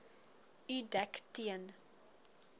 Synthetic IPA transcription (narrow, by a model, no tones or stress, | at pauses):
ydɛktiən